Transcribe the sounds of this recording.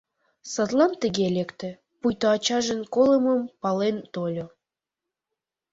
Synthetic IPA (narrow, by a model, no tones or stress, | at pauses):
sət̪lɑnt̪əɡelekt̪ĕ | pujt̪oɑt͡ɕɑʒənkoləməmpɑlent̪olʲo